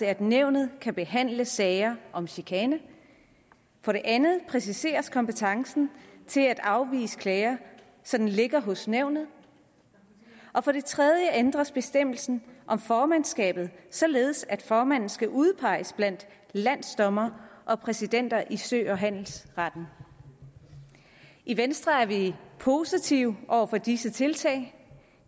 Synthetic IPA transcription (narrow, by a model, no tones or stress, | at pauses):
eæd̥neʊ̰nð̞̩ˠkʰæb̥e̝ɦæn̰ləsɛɪɐʔɒ̽mɕikʰɛːnə | fɒ̽ɾe̝ʔænð̩ˠpʰʁɛsise̝̰ːɐskʰɒ̽mpet͡sʰɑ̈ŋsn̩t͡sʰe̝læd̥ɑ̈ʊʋḭːsə̥kʰlɛːɪɐ | sɒ̽d̥n̩le̝ɡ̥ɐɦɔ̽sneʊ̰nð̩ˠ | ʔɒ̽fɒ̽ɾ̥e̝t͡sʰʁɛð̞ˠjəʔend̥ʁɐsb̥e̝sd̥em̰l̩sn̩ʔɒ̽mfɒːmænsɡ̥ɛ̰ːb̥ð̞̩ˠsɒ̽le̝ːð̞̩ˠsæd̥fɒːmæn̰n̩sɡ̥æʔuð̞ˠpʰɑ̈ɪ̰əsb̥læn̰d̥ | læn̰̥sd̥ɒ̽mɐʔɒ̽pʰʁɛsid̥en̰d̥ɐʔisø̰ːɒ̽ɦæn̰l̩sʁɑd̥n̩ | ʔiʋensd̥ʁɐæɐʋipʰo̝sit͡sʰiʊʔɒʊ̰ɐfɒ̽d̥isət͡sʰe̝lt͡sʰɛ̰ɪ